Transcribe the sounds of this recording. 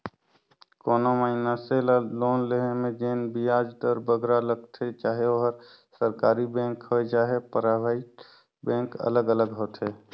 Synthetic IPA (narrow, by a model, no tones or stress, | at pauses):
koːnoməɪnaselaloːnleɦemẽd͡ʒeːnbijaːd͡ʒd̪əɾbəɡɾaləɡt̪ʰet͡ʃaːɦeoɦəɾ | səɾkaːɾibẽːŋkɦod͡ʒaːɦepəɾaːbəi | bẽːkə̰ləɡələɡɦoːt̪ɦeː